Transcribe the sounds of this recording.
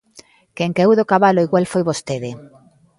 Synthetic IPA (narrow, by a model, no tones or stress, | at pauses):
keŋkeewðokaβaloiɣwalfojβost̪eðe